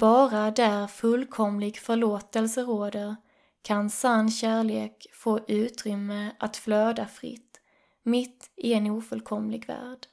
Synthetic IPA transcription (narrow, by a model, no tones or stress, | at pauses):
b̥ɑːɾad̪æɾfɵlkʰɔmlɪɡfœɭoːt̪əlsəɾoːd̪əɾ | kʰansanːɕæːɭeːkfoːʔʉ̟ːt̪ɾʏmːəʔat̪fløːd̪afɾɪ̰t̪ː | mɪt̪ːɪɛnuːfɵlkʰɔmlɪɡvæ̰ːɖ̥